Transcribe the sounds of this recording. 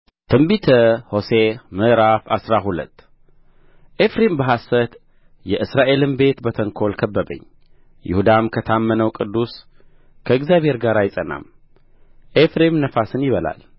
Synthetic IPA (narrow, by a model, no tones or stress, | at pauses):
t̪ʰɨmbit̪ʰəho̞se̞mɨɾafasɾaɦulə̰t̪ː | ʔefɾembəɦasət̪ | jɛʔɨsɾaʔe̞lɨmbe̞t̪bət̪ʰəŋkʰo̞lkʰəbːəbə̰ɲː | jɪ̰hud̪amkʰət̪ʰamːənəwkʼɨd̪ːus | kʰəɨɡzjaβhe̞ɾɡaɾajɪsʼəna̰m | ʔefɾe̞mnəfasɨnjɪβəla̰l